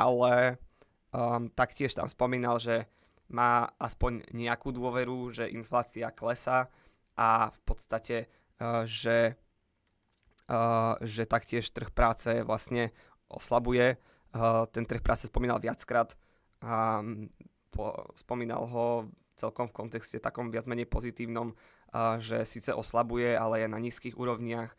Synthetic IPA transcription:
ʔalɛ | t̪akcɪɛʃt̪a̰mspɔmiːnalʒɛ | maːʔaspɔɲɲɪakuːd̪ʊɔʋɛɾuʒɛʔinflaːt͡siaklɛsa | ʔafpɔt̪st̪acɛ | ʒɛ | ʒɛt̪akcɪɛʃt̪r̩xpɾaːt͡sɛʋlasɲɛ | ʔɔ̰slabujɛ | t̪ɛnt̪r̩xpɾa̰ːt͡sɛspɔmiːna̰lʋɪat͡skɾaːt̪ | pʰɔ̰spɔmiːna̰lɦɔ | t͡sɛlkɔmfkɔnt̪ɛkscɛt̪akɔmʋɪad͡zmɛɲɛjpɔzit̪iːʊnɔm | ʒɛsiːt͡sɛʔɔslabujɛalɛɛnaɲiːskiːɣṵːɾɔʊɲɪax

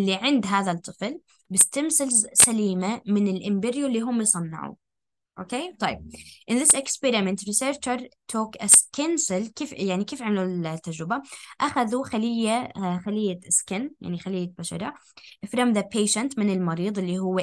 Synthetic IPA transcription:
lːiʕɪnd̪ɦaːðat̪ˤːɨfl | bɪst̪amsɪlsaliːmamɪnɪlʔɪmbɪɾjulːiːɦʊmjsˤɑnːɑ̰ʕṵ | ʔoːkeːt̪ˤɑjɪb̚ʔɪnðɪsɪkspɛɾɪmɛnt̪fiseːɾt͡ʃaɾˤt̪ʰoːkʔaskansɪlkeːfjaʕnikeːfʕamalut̪ːad͡ʒɾɪbaʔaxaðuxalɪjːaxalɪjːaskɪnja̰ʕnixalɪjːabaʃɑ̰ɾˤɑ | ʔɪfɾˤɑmðapeːʃant̪mɪnɪlmɑɾiːðˤɪlːiɦʊwː

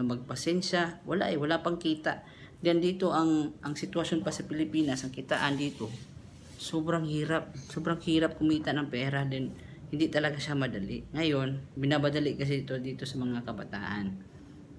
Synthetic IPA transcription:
ɐmɐɡ̚pɐsɛnʃawɐla̰ʔɛwɐlapɐŋkiːt̪a̰ʔ | d͡ʒand̪iːt̪o̞ʔɐŋʔɐŋsɪt̪wɐʃonpɐsɐpɪlɪpiːnɐsʔɐŋkɪt̪a̰ːʔɐnd̪iːt̪o̞ | soːbɾaŋhiːɾap̚soːbɾaŋhiːɾɐp̚kʊmiːt̪aʔnɐŋpɛːɾad̪ɛn | hɪnd̪it̪ɐlɐɡaʃamɐd̪ɐlɪʔŋɐjo̞nbɪnabɐd̪ɐlɪʔkɐs̬ɛɪt̪od̪iːt̪o̞sɐmɐŋakɐbɐt̪a̰ːʔan

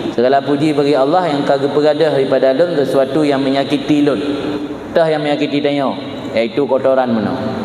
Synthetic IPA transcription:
səɡalapud͡ʒibaɡialːahjaŋkaɡupəɡadəhɾipadalʊnsəsuat̪ujaŋməɲakit̪ilʊn | t̪əhjaŋməɲakit̪it̪aɲaw | jait̪ukot̪oɾanməna̰w

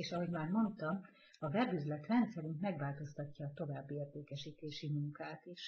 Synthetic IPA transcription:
eːʃɒɦo̞ɟmaːrmo̞nt̪ɒm | ɒvɛbyzlɛt̪rɛnt̪sɛɾyŋkmɛɡʋaːlt̪o̞st̪ɒcːɒːt̪o̞vaːbːieːrt̪eːkɛʃiːt̪eːʃimuŋkaːt̪eːʃ

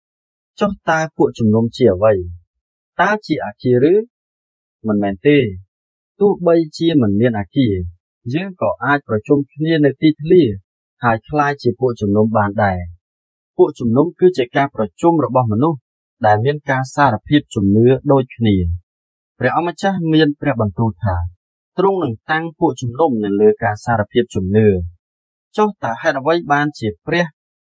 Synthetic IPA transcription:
t͡ɕoht̪aəpuəʔt͡ɕumnumt͡ɕiəʔəʋəj | t̪aət͡ɕiəʔaːkiəɾɨː | mɨnmɛːnt̪eː | t̪ʊ̆əhɓəjt͡ɕiəmɨnmiənʔaːkiə | jəːŋkɑːʔaːc̚prɑt͡ɕumkʰniənɨwt̪iːt̪ʰliə | haəjkʰlaːjt͡ɕiəpuəʔt͡ɕumnumɓaːnɗaɛ | puəʔt͡ɕumnumkɨːt͡ɕiəkaːprɑt͡ɕumrɔɓɑhmɔnuh | ɗaɛlmiənkaːsaːɾapʰiəp̚t͡ɕumnɨəɗoːc̚kʰniə | prɛ̆əhʔɑmːat͡ɕahmiənprɛ̆əhɓɑnt̪uːlt̪ʰaː | t̪rʊŋnɨŋt̪aŋpuəʔt͡ɕumnumnɨŋləːkaːsaːɾapʰiəp̚t͡ɕumnɨə | t͡ɕoht̪aəhaɛt̪̚ʔə̆ʋəjɓaːnt͡ɕiəprɛ̆əh

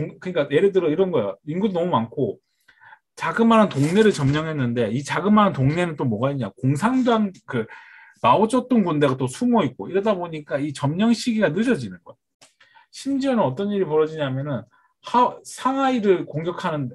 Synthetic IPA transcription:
oŋkɯɲik͈aje̞ɾɯɭdɯɾʌiɾʌnɡʌejoinɡudonʌmumankʰo | t͡ɕaɡɯmːanantoŋne̞ɾɯɭt͡ɕʌmɲʌŋɦe̞nːɯnde̞it͡ɕaɡɯmanantoŋne̞nɯnt͈omʌɡaiɲakoŋsʰaŋdaŋkɯ | maod͡ʑʌt̚t͈ɯnkunde̞ɡat͈osʰumoit̚k͈oiɾʌdaboɲik͈ait͡ɕʌmɲʌŋɕʰiɡiɡanɯd͡ʑʌd͡ʑinɯnɡʌe | ɕʰimd͡ʑiʌnɯnʌt͈ʌniɾipʌɾʌd͡ʑiɲaɦamjʌnɯn | hasʰaŋaiɾɯɭkoŋɡjʌkʰanɯn

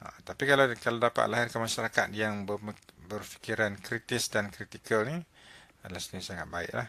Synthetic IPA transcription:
a̰t̪apikalakaladapa̰t̪̚laɦɪrkənmaʃaɾakat̪̚jaŋbəbərfi̥kiɾankɾit̪ɪsdankɾit̪ikəlni | adəlahsənisaŋat̪̚baɪ̰ʔla̰h

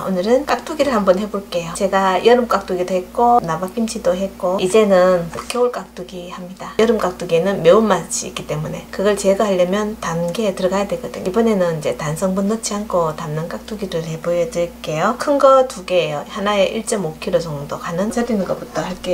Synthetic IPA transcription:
onɯɾɯnk͈ak̚t͈uɡiɾɯɭhambʌnhe̞boɭk͈e̞jot͡ɕe̞ɡajʌɾɯmk͈ak̚t͈uɡidoɦet̚k͈onabap͈ʰimt͡ɕʰidoɦe̞k͈oid͡ʑe̞nɯnmokʰeoɭk͈ak̚t͈uɡihamɲidajʌɾɯmk͈ak̚t͈uɡienɯnmeumaɕʰḭḭk͈it͈e̞mune̞kɯɡʌɭt͡ɕeɡaaʎːʌmjʌntamɡetɯɾʌɡajadwe̞ɡʌdɯ̰ɲibʌne̞nɯnid͡ʑe̞tansʰʌŋbunːʌt͡ɕʰiankʰotamnɯnk͈ak̚t͈uɡiɾɯɭhe̞bojʌdɯɭk͈e̞jokʰɯnɡʌtuɡeejohanae̞ʔiɭt͡ɕ͈ʌmokʰiɾot͡ɕʌŋdokanɯnd͡ʑʰʌdinɯnɡʌp͈utʰʌhaɭk͈e

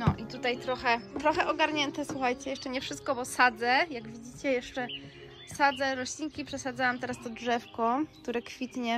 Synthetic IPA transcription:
nɔʔit̪ut̪ajt̪ɾɔxɛt̪ɾɔxɛʔɔɡaɾɲɛnt̪ɛswuxajt͡ɕɛjɛʂt͡ʂɛɲɛfʂɘst̪̚kɔbɔsad̪zɛjaɡvʲid͡ʑit͡ɕɛjɛʂt͡ʂɛ | sad̪zɛɾɔɕlʲiŋkʲipʂɛsad̪zawamt̪ɛɾast̪ɔdʐɛfkɔkt̪uɾɛkfʲit̪ɲɛ

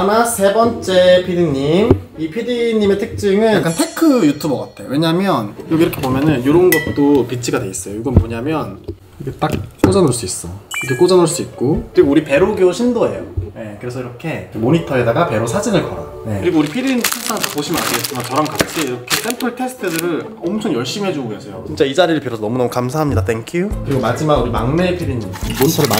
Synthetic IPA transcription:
amasʰe̞bʌnt͡ɕ͈e̞pʰidiɲim | ipʰidiɲime̞tʰɯk̚t͡ɕ͈iŋɯnak͈antʰekʰɯjutʰubʌɡatʰejo̰we̞ɲamjʌnkoiɾʌkʰe̞bomjʌnɯnjoɾʌunɡʌt̚t͈opit͡ɕʰiɡadweis͈ʌjojoɡʌnmoɲamjʌn | iɡet͈ak̚k͈od͡ʑʌnɯɭs͈uis͈ʌkɯkek͈od͡ʑʌnɯɭs͈uit̚k͈okɯɾiɡouɾipe̞ɾoɡjoɕʰindoe̞̰jo̰ne̞kɯɾesʰʌiɾʌkʰe̞kɯmoɲitʰʌe̞daɡape̞ɾosʰad͡ʑinɯɭkʌɾa̰ | ne̞kɯɾiɡouɾipʰiɾinsʰas͈aŋt͈ak̚p͈oɕʰimɯnaɲiɡet͡ɕ͈imat͡ɕʌɾʌmkat͡ɕʰiːɾʌkʰe̞s͈empʰɯɭtʰe̞sʰɯ̥tʰɯdɯɾɯɭ | ʌmt͡ɕʰoŋjʌɭɕ͈imiɦe̞d͡ʑuɡoɡesʰʌjot͡ɕint͡ɕ͈aid͡ʑaɾiɾɯɭpiɾʌsʰʌnʌmunʌmukamsʰaɦamɲidat̪ʰeŋkʰjukɯɾiɡomad͡ʑimaɡuɾimaŋnepʰiɾinmoɲitʰʌɾɯɭm

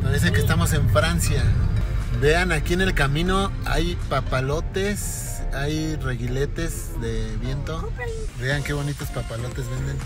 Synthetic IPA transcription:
paɾe̞s̬ekest̪amo̞s̬e̞ɱfɾansja | be̞anakiene̞lkamĩno | a̰jpapalo̞t̪e̞s | ajreɣile̞t̪e̞z | ðe̞βje̞nt̪o̞ | βe̞aŋke̞βo̞nit̪ospapalo̞t̪e̞zβe̞nd̪en

